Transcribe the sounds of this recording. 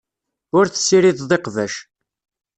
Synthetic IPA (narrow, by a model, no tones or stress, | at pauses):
ʊɾθə̥sːiɾiððˤeqvæʃ